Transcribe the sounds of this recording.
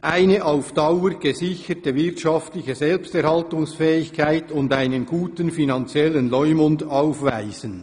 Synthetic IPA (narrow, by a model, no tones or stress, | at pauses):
ʔaɪnəʔaʊfd̥ɑʊəɾɡ̥əzɪçətəvɪʁtʃɑftlɪçəzɛlpstɛɾhɑltʊŋsfɛːɪçkʰaɪtʊndaɪnənɡ̥uːtənfinɑnt͡sjɛlənlɔʏmʊndaʊfvaɪz̥ən